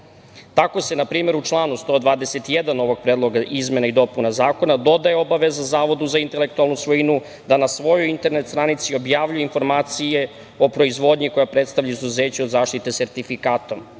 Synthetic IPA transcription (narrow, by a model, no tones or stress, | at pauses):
t̪ako̞se̞napɾiːme̞ɾut͡ʂlˠaːnust̪o̞d̪ʋaːd̪e̞set̪ijed̪ano̞ʋo̞ɡ̚pɾeːd̪lˠo̞ɡaʔizme̞naid̪o̞punazaːko̞nad̪o̞d̪ajeo̞baʋe̞zazaːʋo̞d̪uzaint̪elek̚t̪ualˠnusʋo̞inu | d̪anasʋo̞joint̪e̞ɾnet̪st̪ɾanit̪sio̞bjaʋʎujeinfo̞ɾmaːt̪sije̞ | o̞pɾo̞izʋo̞d̪ɲiko̞japɾet̪st̪aʋʎaizuzeːt͡ɕuod̪zaːʃt̪it̪ese̞ɾt̪ifikaːt̪o̞m